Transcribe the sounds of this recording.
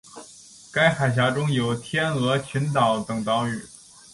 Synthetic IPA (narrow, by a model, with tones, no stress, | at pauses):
ka˥ɪxa˨˩ɪɕ̬ja˧˥ʈ͡ʂʊ˥ŋjo˨˩ʊt̪ʰjɛ˥nɤ˧˥t͡ɕʰy˧˥nt̪ɑ˨˩ʊt̪ɤ˨˩ŋt̪ɑ˧˥ʊy˨˩˦